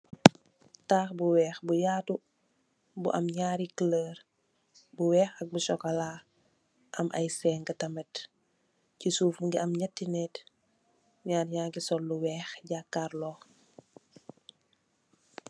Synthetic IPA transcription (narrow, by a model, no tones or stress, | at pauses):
taːxbuwɛːxbujaːtu | bṵʔɐmɲaːɾikləːɾ | buwɛːxɐk̚buʃɔkɐlaː | ʔɐmʔɐ̰jsɛːŋɡɐtɐmɛt | cisuːfŋɡiɐmɲɐtːinɛːt | ɲaːɾɲaːŋɡisɔlːuwɛːxɟaːkːaːɾlɔːx